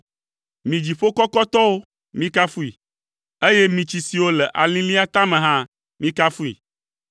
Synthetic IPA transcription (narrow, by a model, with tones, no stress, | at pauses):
mĩ˨d͡ʑi˨ɸo˦kɔ˦kɔ˦t̪ɔ˦wo˦ | mĩ˦ka˦fu˦i˨ | e˦je˦mĩ˨t͡ɕi˨si˨wo˦lɛ˨ʔa˨lĩ˦li˦a˦t̪ã˦mẽ˨ɦã˦ | mĩ˦ka˦fu˦ḭ˨